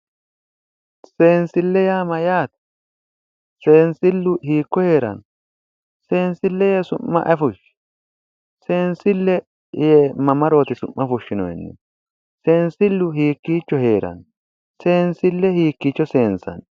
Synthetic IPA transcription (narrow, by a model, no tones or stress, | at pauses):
se̞ːnsɪlːɛjaːmɐjaːt̪ | se̞ːnsɪlːʊhiːkːɔhe̞ːɾɐ̰n | se̞ːnsɪlːɛjesʊmːɐ̰ʔɐfʊʃ | se̞ːnsɪlːɛ | jɛmɐmɐɾo̞ːt̪ɪsʊmːɐfʊʃːɪnɔ̰jɛ̰nːɛ̰ | se̞ːnsɪlːʊɦiːkːiːt͡ʃːɔhe̞ːɾɐ̰n | se̞ːnsɪlːɛhiːkːit͡ʃːɔse̞ːnsɐ̰n